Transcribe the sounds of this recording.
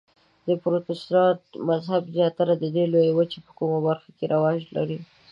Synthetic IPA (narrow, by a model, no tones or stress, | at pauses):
d̪əpɾot̪esɾɑt̪̚mazhabzjɑt̪aɾad̪əd̪elojawət͡ʃepə̥kumabaɾxakeɾʔawɑʒla̰ɾi